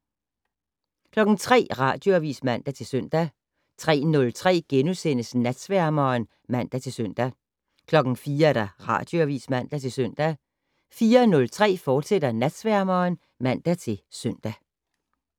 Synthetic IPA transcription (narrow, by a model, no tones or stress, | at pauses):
kʰlɒ̽ɡ̥n̩t͡sʰʁɛ̰ːʁɑ̈d̥jo̝æʋiːsmæn̰d̥æt͡sʰe̝lsøn̰d̥æ | t͡sʰʁɛ̰ːnɔ̽lt͡sʰʁɛ̰ːɡ̥enusen̰əsnæd̥sʋæɐ̰mɐːn | mæn̰d̥æt͡sʰe̝lsøn̰d̥æ | kʰlɒ̽ɡ̥n̩fiːɐɾ̥ɑʁɑ̰̈ːd̥jo̝æʋḭːsmæn̰d̥æt͡sʰe̝lsœn̰d̥æ | fiːɐnɔ̽lt͡sʰʁɛ̰ːfɒːd̥sed̥ɐnæd̥sʋæɐmɐːn | mæn̰d̥æt͡sʰe̝lsœn̰d̥æ